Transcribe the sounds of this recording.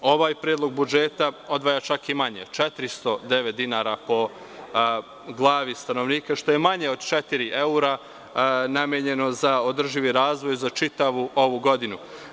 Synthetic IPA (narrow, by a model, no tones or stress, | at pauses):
o̞ʋaːjpɾjeːd̪lo̞ɡ̚bud͡ʒeːt̪ao̞d̪ʋaːjat͡ʃakimaɲet͡ʃet̪ɾist̪o̞d̪e̞ʋet̪̚d̪inaɾapo̞ | ɡlˠaːʋist̪ano̞ʋniːkaʃt̪o̞je̞maɲe̞o̞d̪t͡ʃet̪iɾiʔe̞uɾa | namjeɲe̞no̞zao̞d̪r̩ʒiʋiɾaːzʋo̞jzat͡ʃit̪aʋuo̞ʋuɡo̞d̪inu